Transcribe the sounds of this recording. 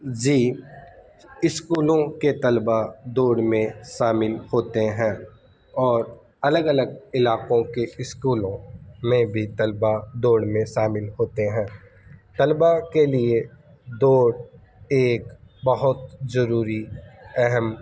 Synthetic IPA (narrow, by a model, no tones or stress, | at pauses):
d͡ʒiː | ɪskuːlõket̪ɐlbad̪oːɽmẽʃaːmɪlhoːt̪eɦɛ̃ː | ɔːɾ | ɐləɡɐləɡɪlaːqõkeɪskuːlõmẽbʱit̪ɐlbad̪oːɽmẽʃaːmɪlɦoːt̪eɦɛ̃ː | t̪əlbakelie | d̪oːɽ | eːkbɐɦʊt̪zɐɾuːɾiɛɦɛm